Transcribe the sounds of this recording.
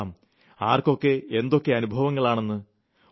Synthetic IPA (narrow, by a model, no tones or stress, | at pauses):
m | aːrko̞kːe̞end̪o̞kːe̞ɐnubʱɐʋɐŋːɐɭaːɳe̞nːɨ